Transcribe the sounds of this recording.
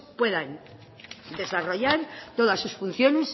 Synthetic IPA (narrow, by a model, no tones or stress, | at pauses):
pwe̞ðan | d̪e̞saro̞ʝaɾt̪o̞ðasːusfun̟θjo̞ne̞s